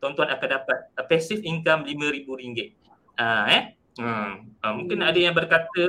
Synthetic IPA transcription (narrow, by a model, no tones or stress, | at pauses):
t̪ɔnt̪uanakandapat̪̚əpɛsifiŋkamlimə̃ɾibuɾiŋɡɪt̪̚ | aɛ | əəmũŋkɪnadəjaŋbərkat̪ə